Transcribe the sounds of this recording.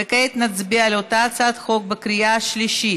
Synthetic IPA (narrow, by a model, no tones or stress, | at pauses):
keit̪nat͡sbialeot̪at͡sat̪χo̞k̚bekɾijaaʃliʃi